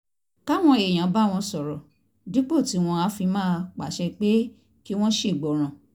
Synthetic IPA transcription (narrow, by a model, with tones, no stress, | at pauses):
ka˦w̃ɔ̃˧e˨j̃ã˨˦ba˦w̃ɔ̃˧sɔ˨ɾɔ˨ | di˨˦k͡po˦˨ti˨˦w̃ɔ̃˧a˨˦fi˧mãː˦˧k͡pa˨ʃɛ˧k͡pe˦ | ki˦w̃ɔ̃˦ʃe˦˨ɡ͡bɔ˨ɾ̃ã˨